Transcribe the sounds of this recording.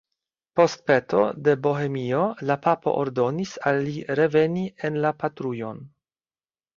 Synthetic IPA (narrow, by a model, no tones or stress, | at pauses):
po̞st̪̚pet̪ʰo̰d̪e̞bo̞ɦemiolapapo̞̰ʔoɾd̪o̞nisalːiɾe̞venienlapat̪ɾujo̞n